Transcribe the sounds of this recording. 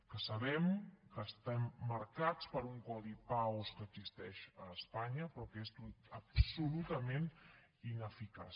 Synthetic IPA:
kəsəβɛmkəːst̪ɛmːəɾkat͡spəɾuŋkɔðipawskəːɡzist̪ɛʃəːspaɲəpɾɔkest̪ut̪əpsulut̪əmen | inəfikas

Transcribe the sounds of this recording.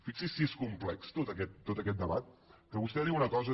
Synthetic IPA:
fiksisieskumplɛkst̪ot̪əkɛt̪̚ːot̪əkɛt̪̚d̪əβat̪̚kəβust̪ɛðiwunəkɔzə

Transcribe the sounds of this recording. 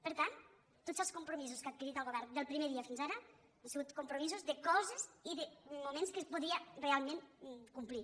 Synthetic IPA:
pəɾt̪ant̪ː | otz̥əlˠskumpɾumizuskat̪̚kiɾit̪əlˠɣoβɛɾnd̪əlˠpɾimeðiɐfinzaɾə | ansəɣut̪kumpɾumizuzðəkɔzəziðəmumẽnskəspuðiərealˠmẽnkumpli

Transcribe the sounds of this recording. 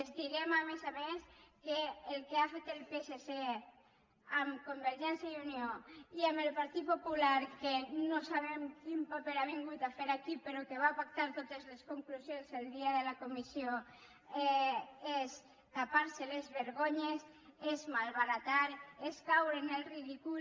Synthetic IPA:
ezd̪ilemamezaβeskeːlkeafet̪elpesese | amkombeɾʒɛnsjaiunioiamelpaɾt̪it̪̚populaɾkenosaβ̞emkimpapeɾaβ̞iŋɡut̪afeɾakipeɾokeβ̞aːpak̚t̪aɾt̪ot̪ezleskoŋkluzjonzeld̪iaðelakomisjo | ees | t̪apaɾselezβeɾɣoɲes | ezmalβaɾat̪aɾeskawɾenelriðiku

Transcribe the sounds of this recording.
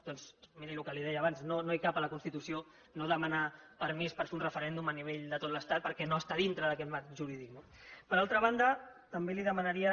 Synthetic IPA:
d̪̥ɔnzmiɾilukəliðɛjəːβanznonoajkapələkunst̪it̪usio | noðəmanapəɾmispəɾfeunrəfəɾɛnd̪uməniβ̞eʎd̪ət̪ot̪ləst̪at̪̚pəɾkɛnoəst̪aðint̪ɾəðəkɛt̪maʒuɾiðinə | pəɾalˠt̪ɾəβ̞and̪ət̪əmbeliðəmənəɾiə

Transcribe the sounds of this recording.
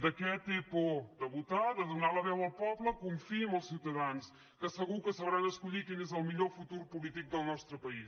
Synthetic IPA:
d̪ɐkɛt̪ipud̪ɐβut̪aðɐðunalɐβɛwɐwpɔβlˠɐkũfimɐwsiwt̪ɐðanʊs | kɐsɐɣukɐsɐβɾaɐʃkuʎiɾkeɲɛzɛwmiʎɔɾfut̪uɾupulˠit̪ikuðɐwnɔst̪ɾɐpɐiʃ

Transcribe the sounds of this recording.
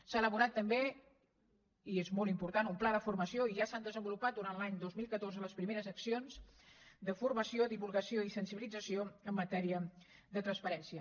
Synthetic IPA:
saːləβunat̪ːəmbe | iezmolˠimpuɾt̪anumplaðəfurməsioiʒasand̪əzəmbulupat̪̚d̪uɾanlaɲd̪ozmilˠkət̪orzələspɾimeɾəzəksionzd̪əfurməsiod̪iβulˠɣəsioisənsiβilid͡zəsioəmːət̪ɛɾiə | ðət̪ɾənspəɾɛnsiə

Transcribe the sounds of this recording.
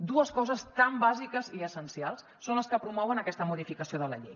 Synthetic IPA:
d̪uəskɔzəst̪ambazikəziəsənsialˠsːonləskəpɾumɔwənəkɛst̪əmuðifikəsioðələ̰ʎḛj

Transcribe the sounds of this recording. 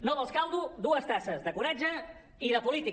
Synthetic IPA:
noðəlˠskalˠdud̪uəst̪asəzðəkuɾad͡ʒə | iðəpulit̪i

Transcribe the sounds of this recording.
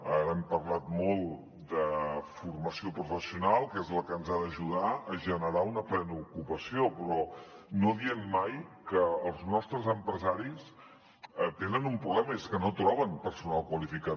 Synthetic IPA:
aɾɛmpərlat̪mɔlˠ | d̪əfurməsiopɾufəsiunalˠkezləkənzaðəʒuð̞aəʒənəɾaunəplɛnəukupəsiopɾɔnoðiənmajkəːlˠznɔst̪ɾəzəmpɾəzaɾis | ət̪enənumpɾuβlɛməeskənot̪ɾɔβ̞ənpəɾsunalˠkwəlifika

